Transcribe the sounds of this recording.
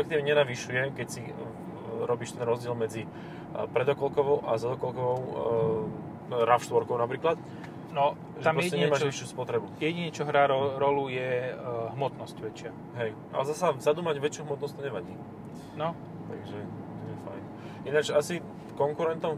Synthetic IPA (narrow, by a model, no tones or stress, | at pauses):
ɛkt̪iːʋɲɛɲɛnaʋiʃujɛkɛcsi | ɾɔbiːʃt̪ɛnɾɔzɟɪɛlmɛd͡zi | pɾɛd̪ɔkɔlkɔʋɔʊʔazad̪ɔkɔlkɔʋɔʊ | ɾafʃt̪ʋɔɾkɔʊnapɾiːklat̪ | nɔ | ʒɛtaɾsɛcɛɲɛmaːʒʋiʃjuːspɔt̪ɾɛbujɛɟiɲɛt͡ʃɔɦɾaɾɔɾɔlujɛɦmɔt̪nɔscʋɛt͡ʃɪa | ɦɛjʔa̰lɛzasazad̪uːmaɟʋɛt͡ʃjuːɦmɔt̪nɔst̪ɔɲɛʋaɟiː | nɔ | t̪a̰ɡʒɛt̪ɔɛfa̰jn | ʔinat͡ʃasi | kɔŋkuɾɛnt̪ɔm